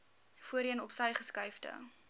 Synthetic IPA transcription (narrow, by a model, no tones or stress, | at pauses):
fuəɾiənɔpsɐjχəskɐjfdə̰